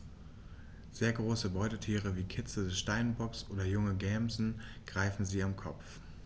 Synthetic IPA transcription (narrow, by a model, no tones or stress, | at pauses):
z̥eːɐɡʁoːsəbɔʏtətʰiːʁ̞əviːkʰɪt͡sədɛsʃtaɪnbɔksʔoːdɐjʊŋəɡɛːmzn̩ɡ̥ʁaɪfn̩ziːamkʰɔ̰pp͡f